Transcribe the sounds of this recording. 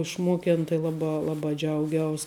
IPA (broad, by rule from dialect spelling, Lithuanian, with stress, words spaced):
ɪʃˈmoːkʲɛn tɐɪ ˈlˠɑːˌbɑː ˈlˠɑːˌbɑː ˈd͡ʒʲɛʊˌɡʲɛʊs